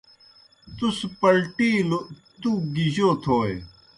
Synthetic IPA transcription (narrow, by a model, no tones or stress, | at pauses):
t̪uspɐlʈiːlot̪uɡiʑoːt̪ʰoːe